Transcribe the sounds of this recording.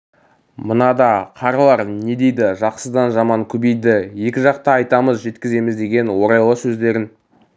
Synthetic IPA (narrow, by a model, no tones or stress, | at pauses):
mənɑd̪ɑqʰɑɾɑlˠɑɾne̞d̪e̞jd̪ɪʒɑqsəd̪ɑnʒɑmɑŋkʲʰʏbejd̪ɪje̞kʲɪʒɑqt̪ɑɑjt̪ɑməzʒe̞t̪kʲɪze̞mɪzd̪e̞ɡʲe̞nwo̞ɾɑjlˠəsɵzd̪e̞ɾɪn